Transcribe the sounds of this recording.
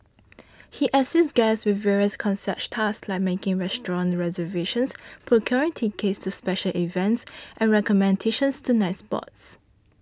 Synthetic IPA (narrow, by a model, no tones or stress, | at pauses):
hiʔəsɪstɡaɪswɪθvɛɹiəskʰɔ̃nsɛttʰasslaɪk̚mekɪ̃ŋɹɛstɹɔ̃nɹɛzəveʃə̃nspʰɹɔkʰjɔɹɪ̃ŋtʰikʰestuspɛʃəlivɛ̃ntsʔɛ̃nɹɛkɔmɛ̃ndeʃə̃nstʰunaɪspɔ̰ts